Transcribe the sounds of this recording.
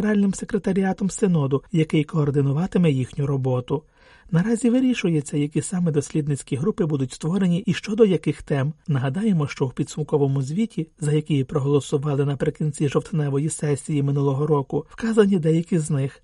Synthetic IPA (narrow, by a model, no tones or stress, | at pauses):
ɾɑlʲnɪmse̞kɾe̞t̪ɐɾʲiɑt̪ɔmsenɔd̪ʊjɐkɪjkɔːrd̪ɪnʊʋɑt̪ɪmɛjixnʲʊɾɔbɔt̪ʊ | nɐɾɑzʲiʋɪɾʲiʃʊjet͡sʲːɐjɐkʲisɑmɛd̪ɔsʲlʲid̪nɪt͡sʲkʲiɦɾupɪbud̪ʊtʲst̪ʋɔɾe̞nʲiʔiʃt͡ʃɔd̪ɔjɐkɪxt̪ɛmnɐɦɐd̪ɑjemɔʃt͡ʃɔwpʲid̪sʊmkɔʋɔmʊzʲʋʲitʲʰizɐjɐkʲɪjipɾɔɦɔlˠɔsʊʋɑlˠɪnɐpɾɪkʲinʲt͡sʲiʒɔwt̪nɛʋɔjisɛsʲijimɪnulˠɔɦɔɾɔkʊwkɑzɐnʲid̪ɛjɐkʲiznɪx